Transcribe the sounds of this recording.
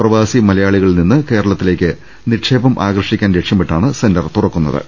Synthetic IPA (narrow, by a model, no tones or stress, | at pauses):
prɐʋaːsimɐlɐjaːɭiɣɐɭininːɨke̞ːɾɐɭɐt̪ːile̞ːkʲːɨ | niʈʂe̞ːbɐmʔaːɡrɐʂikʲːaːnɾe̞kʂjɐmpeʈːaːɳɨse̞ndɐrt̪urɐkːunːɐ̰ðɨ̰